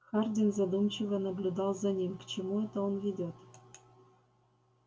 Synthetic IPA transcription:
xardʲinzad̪umt͡ɕɪvənɐblʲud̪ɑlˠzanʲimʲkt͡ɕɪmuɛt̪əonvʲidʲot̪

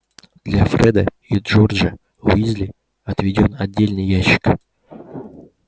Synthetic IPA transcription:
d̪lʲafɾɛd̪ə | idʐorʐə | ʊ̰izlʲɪ | ɐt̪vʲɪdʲo̞nɐdʲːelʲnɨjːæɕːɪ̥k

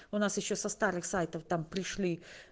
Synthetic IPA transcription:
ʊnasjɪɕːosɐst̪aɾɨxsajt̪əft̪ampɾʲɪʂlʲi

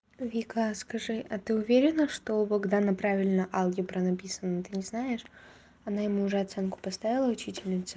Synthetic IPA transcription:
vʲikəskɐʐɨʔɐt̪ɨʊvʲeɾʲɪnəʂt̪obɨɡd̪anɐpɾavʲɪlʲnəʔalˠɡʲɪpɾənɐpʲisənət̪ɨnʲɪznaɪʂ | ɐnajɪmuːʐɛɐt̪sɛnkʊ̥pɐst̪avʲɪlˠəʊt͡ɕitʲɪlʲnʲɪt̪sʊ

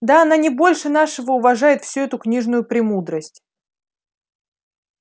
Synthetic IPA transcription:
d̪aɐnanʲɪbo̞lʲʂɨnaʂəvəʊvɐʐajɪt̪fsʲuɛt̪ʊknʲiʐnʊjʊpɾʲɪmud̪ɾəsʲtʲ

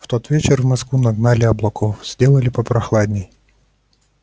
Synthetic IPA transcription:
ft̪ot̪vʲet͡ɕɪrvmɐskvunɐɡnalʲɪɐblˠɐkofz̥ʲdʲelˠəlʲɪpəpɾɐxlˠad̪ʲnʲɪj

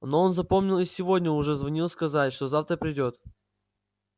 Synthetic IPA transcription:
no̞onzɐpo̞mnʲɪlˠɪsʲɪvo̞dʲnʲəʊʐɛzvɐnʲilˠskɐzatʲʂt̪o̞zaft̪ɾəpɾʲɪdʲo̞t̪

